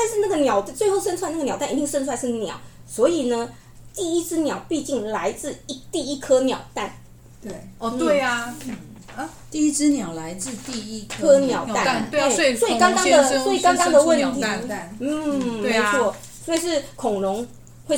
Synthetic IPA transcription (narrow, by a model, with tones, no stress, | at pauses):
t̪a˥˧nʂɻ̩˥˧na˥˩ɡə˨njɑ˨˩ʊtt͡swe˥˧ɪxo˥˩ʊʂ̬ə˥nt͡sʰwa˥˧n˥˩ə˨jɑ˨˩ʊt̪a˥˩˨i˧˥t̪i˥˧ŋʂə˥nt͡sʰwa˥˧nʂɻ̩˥˩njɑ̰˨˩˦ʊ | swɔ˧˥i˨˩nə˦ | t̪i˥˩i˦˥t͡sɹ̩˥njɑ˨˩ʊpi˥˧t͡ɕi˥˩ŋla˧˥ɪt͡sɹ̩˥˧˥t̪i˥˩i˦˥kʰɤ˥njɑ˨˩ʊt̪a˥˩n | e˩˧we˥˩ɪ˧˩ | t̪i˥˧i˥t͡sɹɻ̩˥njɑ˨˩ʊla˧˦ɪt͡sɹ̩˥˧t̪i˥˧i˥ɤ˥njɑ˨˩ʊ˨t̪a˥˨˩swɔ˧˥i˨˩kɑ˥ŋkɑ˥d̪ə˨sɔ˧˥i˨˩kɑ˥ŋkɑ˥ŋd̪ə˨˧wə˥˨˩nt̪ʰi˦˥˧n̩˥˩m˧˦ɪt͡sʰwɔ˥˩ | swi˨˩ʂɻ̩˥˩kʰʊ˨˩ŋɻʊ˧˥ŋ | we˥˩